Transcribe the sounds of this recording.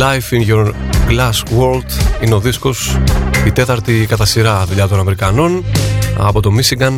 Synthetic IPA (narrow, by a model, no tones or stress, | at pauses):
lɐjfinʝoɾɡlɐswoɾld̪ineo̞ðisko̞sit̪e̞t̪ɐɾt̪ikɐt̪ɐsiɾɐðuʎɐt̪o̞nɐmeɾikɐno̞nɐ̰po̞t̪o̞misiɡɐn